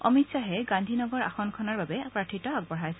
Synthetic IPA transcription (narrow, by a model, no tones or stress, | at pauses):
ɔ̰mitsaɦɛɡãndʱinɔɡɔɹa̰xɔnkʰɔnaɹbabɛpɹakʰitɔaɡ̚bɔɹajsɛ